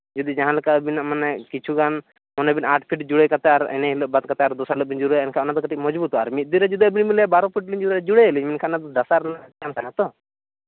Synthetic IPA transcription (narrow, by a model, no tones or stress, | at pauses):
d͡ʒɔd̪id͡ʒãɦãlɔkabinamanɛkit͡ʃʰuɡan | mɔnɛbinaʈʰpʰiʈd͡ʒuɽekat̪ɛaɾɛ̰nɛɦiləʔ̚bat̪̚kat̪ɛaɾd̪ɔsaləʔ̚bind͡ʒuɾɛɛnkʰãɔnat̪ɔɡəʈik̚mɔd͡ʒbut̪ɔaɾmit̪̚d̪iɾɛd͡ʒud̪iabinmilɛbaɾɔpʰiʈ̚liɲd͡ʒuɾd͡ʒuɽeəliɲminkʰanat̪ɔdasaɾnaɡankʰanat̪ɔ